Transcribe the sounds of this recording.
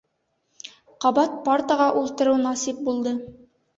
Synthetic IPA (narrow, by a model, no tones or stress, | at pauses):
qɑbɑt̪̚paɾt̪əʁɑʔulˠt̪ɤ̆ɾɤwnɑsip̚bulˠd̪ɤ